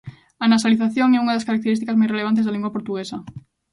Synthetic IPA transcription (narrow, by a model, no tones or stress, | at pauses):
anasaliθaθjoŋɛuŋaðaskaɾak̚t̪eɾist̪ikazmajsreleβant̪̬ezðalĩŋɡwapoɾt̪uɣesɐ